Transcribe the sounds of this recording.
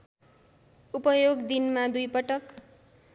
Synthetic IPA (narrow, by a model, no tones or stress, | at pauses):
upʌjoɡd̪inmad̪ujpʌʈʌk